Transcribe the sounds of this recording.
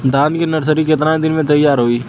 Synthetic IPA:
d̪ãːnd̪kenɐɾs̬əɾikɪt̪nãd̪ɪnmẽt̪ɐjaːɾɦoːiː

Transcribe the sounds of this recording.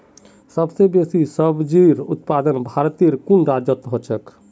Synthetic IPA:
səbsebesisəbd͡ʒiɾʊ̰t̪̚pad̪ənbʱaɾt̪iəɾkunɾad͡ʒət̪ɦot͡ʃʰək

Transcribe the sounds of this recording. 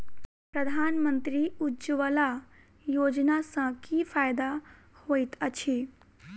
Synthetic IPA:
pɾəd̪ʱaːnmə̃nt̪ɾiud͡ʒʋəla | joːd͡ʒnasãkifaːjd̪a | hoːit̪ət͡ʃʰi

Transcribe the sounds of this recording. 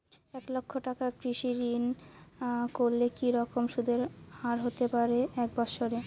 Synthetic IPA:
ɛklokʰːoʈakakɾiʃiɾin | koɾlekiɾɔkomʃud̪eɾhaɾɦot̪epaɾeɛk̚bɔʃoɾe

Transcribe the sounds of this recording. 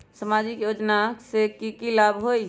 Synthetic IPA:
səmad͡ʒikjod͡ʒnasekikilabʱɦoi

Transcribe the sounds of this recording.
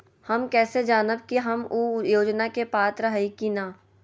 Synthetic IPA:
hɐmkɛːsed͡ʒaːnəb̚kiɦɐmujoːd͡ʒnakepaːt̪ɾəɦikinaː

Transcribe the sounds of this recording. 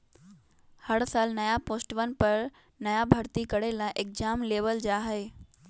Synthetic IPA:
hɐɽsaːlnɐjapoːsʈʋənɪ̆pɐɾ | nɐjabʱəɾt̪ikəɽelaʔek̚d͡ʒaːmleːʋəld͡ʒaːɦeː

